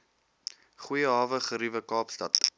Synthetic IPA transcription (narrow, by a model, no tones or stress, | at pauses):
χujəɦɑːvəχəɾivəkɑːpstɐt